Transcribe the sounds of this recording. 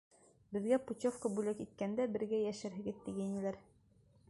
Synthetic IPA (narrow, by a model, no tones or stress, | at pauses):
bɘ̆ðɡæput̪ʲofkəbʉlækit̪̚kænd̪æbɘ̆ɾɡæjæʃɘɾɦɘ̆ɡɘðt̪iɡæinĭlæɾ